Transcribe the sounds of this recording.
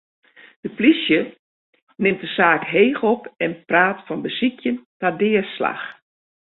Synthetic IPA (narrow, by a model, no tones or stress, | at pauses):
d̥əplisjə | nɪmt̚dəsaːkɦeːxɔpɛnpraːtfɔnbəsikʰjəntadɪːəsla̰x